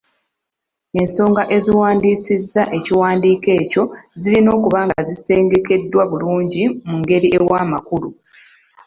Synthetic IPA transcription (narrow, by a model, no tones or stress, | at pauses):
e̞nso̞ːŋɡaʔe̞ziwaːndiːsizːaʔe̞ciwaːndiːke̞ːco̞zilino̞ːkuβaːŋɡazise̞ːŋɡe̞ke̞dːwaβuluːɲɟimuŋɡe̞ɾiʔe̞waːmakulu